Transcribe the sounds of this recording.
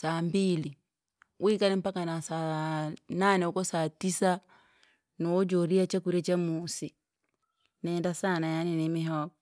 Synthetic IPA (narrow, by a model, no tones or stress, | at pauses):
sambili | wʔikanɛm̩pakanasananɛukɔsatisa | nod͡ʒoɾiat͡ʃakuɾet͡ʃamusi | nɛndasanajaninemiɦɔk̚